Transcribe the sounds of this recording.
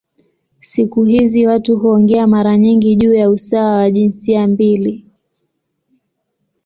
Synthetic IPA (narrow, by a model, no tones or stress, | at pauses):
sikuɦiziwatuɦuɔŋɡɛamaɾaɲiŋɡiʄuːjausawawaʄinsiambili